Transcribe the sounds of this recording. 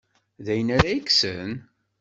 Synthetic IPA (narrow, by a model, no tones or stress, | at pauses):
ðæjənaɾajəksən